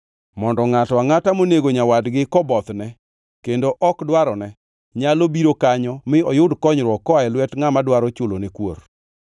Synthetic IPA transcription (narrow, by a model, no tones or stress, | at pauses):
mɔndɔŋatɔaŋatamoneɡoɲawadɡɪkɔbɔt̪nɛ | kendoʔɔkdwaɾɔnɛ | ɲalobiɾokaɲɔmɪɔjʊdkɔɲɾwɔkɔaɛlwɛtŋamadwaɾɔt͡ʃolonekwo̰ɾ